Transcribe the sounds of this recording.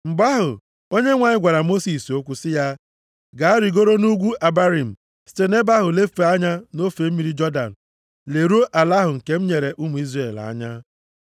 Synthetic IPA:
m̩˨ɡ͡ba˦ɦʊ˨ | o˦ɲe˦ŋʷa˨ɲɪ˦ɡʷa˨ɾa˨mo˦si˨so˦kʷu˨sɪ˦ja˦ | ɡa˨a˦ɾi˨ɡo˦ɾo˦nu˦ɡʷu˦ʔa˨ba˦ɾi˨m̩˨ | si̥˦te˦ne˦ba˦ɦʊ˨le˦ffe˨a˦ɲa˦no˦fe˨m̩˦mi˨ɾi˦d͡ʒɔ˦da̰˨n̩˨ | le˨ɾu˦o˦ʔa˨la˦ɦʊ˨ŋ̩˨ke˦m̩˦ɲe˨ɾe˨ʔu˦mu˨i˦zre˨la̰˨˦ɲa˦

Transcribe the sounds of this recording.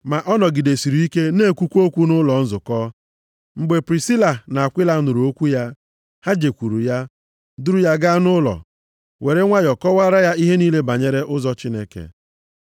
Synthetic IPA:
ma˨ʔɔ˦nɔ˨ɡɪ˨de˨si˨ɾu˨i˦ke˦ne˦˨kʷu˦kʷu˦o˦kʷu˦nʊ˦lɔ˨n̩˦zʊ˨kɔ˦ | ŋ͡m̩˦ɡ͡be˨pɾi˨si˦la˨na˨a˨kʷɪ˦la˨˦nʊ˨ɾu˨o˦kʷu˦ja˦ | ha˦d͡ʒe˨kʷu˨ɾu˨ja˦ | dʊ˦ɾʊ˦ja˦ɡa˦nʊ˦lɔ̰˨ | we˨ɾe˦ŋʷa˦jɔ˨kɔ˦wa˦ɾa˦ja˦i˦ɦe˦niː˦le˦ba˨ɲe˦ɾe˦ʔʊ˦zɔ˦t͡ʃi˦ne˦kḛ˨

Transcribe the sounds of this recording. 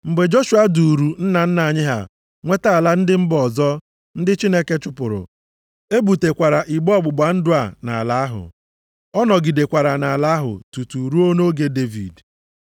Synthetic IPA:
ŋ͡m̩˨ɡ͡be˨d͡ʒo˦ʃa˦du˨ɾu˨n̩˦na˨n̩˦na˨ɲɪ˦ɦa̰˨ | ŋʷe˦ta˦a˨la˦n̩˦dɪ˦m̩˦bɔ˨zɔ˦ | n̩˦dɪ˦t͡ʃi˦ne˦ke˦t͡ʃʊ˦pʊ˨ɾʊ̰˨ | e˦bu˨te˨kʷa˨ɾa˨ʔi˨ɡ͡bɔ˦ɡ͡bʊ˨ɡ͡ba˨n̩˦dʊ˦a˨na̰˨a˨la˦a˦ɦʊ̰˨ | ɔ˦nɔ˨ɡi˨de˨kʷa˨ɾa˨na˨la˦ɦʊ̰˨tu˨tu˨ɾu˦o˦no˦ɡe˦de˦vḭ˨d

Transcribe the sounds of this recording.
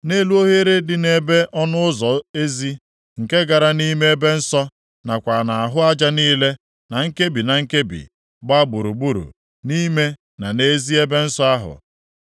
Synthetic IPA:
ne˦lu˦o˦ɦe˦ɾe˦dɪ˨ne˨be˦ʔɔ˦nʊ˦ʊ˦zɔ˨e˦zi˦ | ŋ̩˨ke˦ɡa˨ɾa˦ni˦me˦e˦be˦n̩˦sɔ˦ | na˨kʷa˨na˨a˨ɦʊ˦a˦d͡ʒa˦niː˦le˦ | na˨ŋ̩˦ke˦bi˨na˨ŋ̩˦ke˦bḭ˨ | ɡ͡ba˦ɡ͡bu˨ɾu˨ɡ͡bu˦ɾṵ˨ | ni˦me˦ | na˨ne˦zi˦e˦be˦n̩˦sɔ˦a˦ɦʊ̰˨

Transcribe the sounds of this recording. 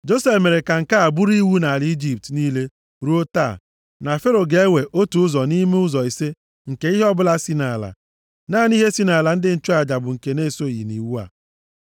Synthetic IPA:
d͡ʒo˦se˨fme˨ɾe˨ka˨ŋ̩˨ka˦a˨bu˦ɾi˦wu˦na˨a˨li˦d͡ʒi˨p̚tniː˦le˦ | ɾu˦o˦ta̰˦˨ | na˨fe˦ɾo˨ɡe˨˦we˨ʔo˦tu˨ʊ˦zɔ˨ni˦me˦ʊ˦zɔ˨i˨se˦ | ŋ̩˨ke˦i˦ɦe˦ɔ˦bʊ˦la˦si˦na˨la̰˨ | naː˦˨n˦i˦ɦe˦si˦na˨la˨n̩˦dɪ˦n̩˦t͡ʃu˦a˨d͡ʒa˨bʊ˨ŋ̩˨ke˨ne˦˨so˦˨jḭ˨nḭ˨wu˦a̰˨

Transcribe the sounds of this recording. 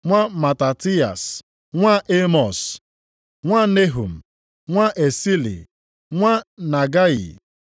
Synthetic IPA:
ŋʷa˦ma˨ta˨ti˦a̰˨s | ŋʷa˦ʔe˦mɔ˨s | ŋʷa˦ne˦ɦu˨m̩˨ | ŋʷa˦ʔe˨si˦lḭ˨ | ŋʷa˦na˨ɡa˦ḭ˨

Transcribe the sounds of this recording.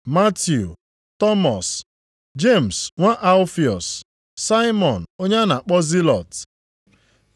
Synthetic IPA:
ma˦tju˨ | tɔ˦mɔ˨s | d͡ʒe˦˨m̩˨sŋʷa˦ʔa˦lfi˨ɔ˨sː | a˦ɪ˦mɔ˨n̩˨o˦ɲa˦na˨a˨k͡pɔ˦zi˦lɔ˨t

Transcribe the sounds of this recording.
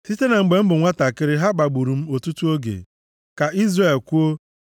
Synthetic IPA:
si˦te˦na˨ŋ͡m̩˨ɡ͡be˨m̩˦bʊ˨ŋʷa˦ta˨kɪ˦ɾɪ˦ɦa˦ɡ͡ba˨ɡ͡bu˨ɾu˨m̩˦o˨tu˦tu˦o˦ɡḛ˨ | ka˨ʔi˦zre˨e˨lkʷu˦o˦

